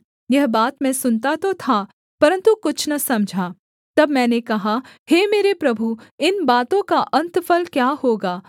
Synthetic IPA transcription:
jɐɦbaːt̪mɛ̃sʊnt̪at̪ot̪ʰa | pɐɾə̃nt̪ukʊt͡ʃʰnɐsɐmd͡ʒʱaː | t̪ɐbmɛ̃ːnekɐɦaheːmeːɾepɾɐbʱuɪnbaːt̪õkaʔɐ̃nt̪fəlkjaːhoːɡaː

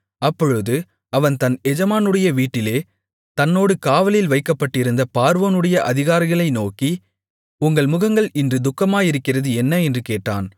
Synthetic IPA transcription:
ɐpːɔɻɯðɯ | ɐʋɐnt̪ɐnɛd͡ʒɐmaːnɯɽɐjɐʋiːʈːɪleː | t̪ɐnːoːɽɯkaːʋɐljɪlʋɐɪkːɐpːɐʈːɪɾɯnd̪ɐpaːɾʋɐnɯɽɐjɐʔɐðɪɣaːɾɪɣɐɭɐɪnoːki | ʊŋɡɐɭmʊɣɐŋɡɐɭɪndrɯd̪ʊkːɐmaːjɪɾɯkːɪrɐðɯɛnːɐɛndrɯkeːʈːa̰ːn

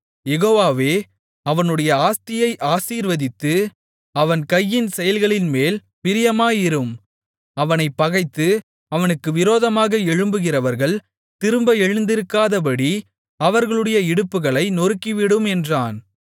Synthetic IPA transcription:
jɛɣoːʋaːʋeː | ɐʋɐnɯɽɐjɐaːst̪ɪjɐɪʔaːsiːɾʋɐðɪt̪ːɯ | ɐʋɐnkɐjːɪnsɛjɐlɣɐɭɪnmeːl | pɪɾɪjɐmaːjɪɾɯm | ɐʋɐnɐɪpːɐɣɐɪt̪ːɯ | ɐʋɐnɯkːɯʋɪɾoːðɐmaːɣɐɛɻɯmbɯɣɪrɐʋɐɾɣɐɭ | t̪ɪɾɯmbɐɛɻɯnd̪ɪɾɯkːaːðɐp̬ɐɽi | ɐʋɐɾɣɐɭɯɽɐjɐɪɽɯpːɯɣɐɭɐɪnɔɾɯkːiʋɪɽɯmɛndraːn

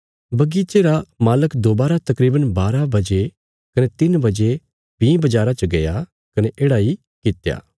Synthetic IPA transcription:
bɐɡiːt͡ʃeɾamaːləkd̪oːbaːɾat̪ɐkɾiːbənbaːɾabɐd͡ʒe | kɐnet̪ɪnbɐd͡ʒe | bĩbɐd͡ʒaːɾat͡ʃɐɡɐja | kɐneʔeːɽai | kɪt̪ja̰ː

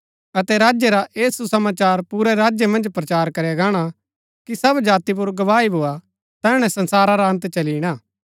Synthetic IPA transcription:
ɐt̪ɛɾaːd͡ʒjeɾaʔeːsusɐmaːt͡ʃaːɾpuːɾɛɾaːd͡ʒjemɐ̃nd͡ʒpɾɐt͡ʃaːɾkɐɾjaɡaːɽ̃a | kisɐbd͡ʒaːt̪ip̬ʊɾɡɐʋaːibʱoa | t̪ɛːɽ̃ɛ̃sɐ̃nsaːɾaɾaɦɐ̃nt̪t͡ʃɐliːɽ̃aː

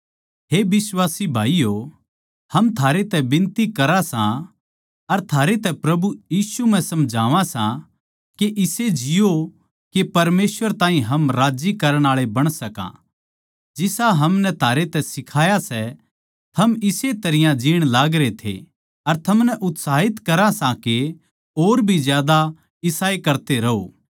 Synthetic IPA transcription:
ɦebɪswaːsibʱaːijo | hɐmt̪ʰaːɾet̪ɛbɪ̃nt̪ikɐɾasã | ɐɾt̪ʰaːɾet̪ɛpɾɐbujiːsum̤ɛ̃sɐmd͡ʒʱaːʋãsã | keʔɪsed͡ʒɪjo | kepɐɾmeːsʋəɾt̪ãːɦĩɦɐmɾaːd͡ʒikɐɾəɽ̃aːɭebɐɽ̃sɐkã̰ | d͡ʒɪsaɦɐmnɛt̪ʰaːɾet̪ɛsɪkʰaːjasɛ | t̪ʰɐmɪset̪ɐɾɪjãd͡ʒiːɽ̃laːɡɾet̪ʰḛ | ɐɾt̪ʰɐmnɛʔʊt̪saːɦɪt̪kɐɾãsãke | oːɾbʱizjaːd̪a | ɪsaːekɐɾt̪eɾɐɦo̰ː

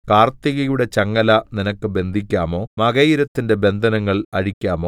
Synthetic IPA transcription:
kaːrt̪iɣɐjuɽet͡ɕɐŋːɐlɐninɐkːɨbe̞nd̪ʱikʲːaːmo̞ːmɐɣɐjiɾɐt̪ːinde̞be̞nd̪ʱɐnɐŋːɐɭɐɻikʲːaːmo̞ː

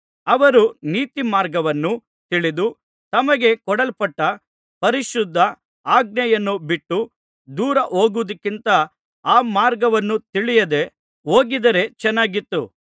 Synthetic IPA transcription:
ɐʋɐɾuniːt̪imaːɾɡɐʋɐnːu | t̪iɭid̪u | t̪ɐmɐɡe̞kɔɽɐlpɐʈːɐ | pɐɾiʃud̪ʱːɐ | aːɡ̚nɐjɐnːubiʈːu | d̪uːɾɐʔoːɡuʋd̪ɐkːint̪ɐ | aːmaːɾɡɐʋɐnːut̪iɭijɐd̪e̞ | oːɡid̪ɐɾe̞t͡ʃɛnːaːɡit̪ːu

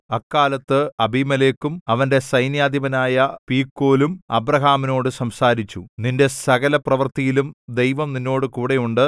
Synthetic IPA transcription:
ɐkːaːlɐt̪ːɨɐbimɐleːkːumɐʋɐnde̞sɐjnjaːd̪ibɐnaːjɐpiːkːoːlumɐ̰brɐɦaːmino̞ːɽɨsɐmsaːɾit͡ɕːṵninde̞sɐɣɐlɐprɐʋɐrt̪ijilumd̪ejʋɐmninːo̞ːɽɨkuːɽe̞juɳɖɨ

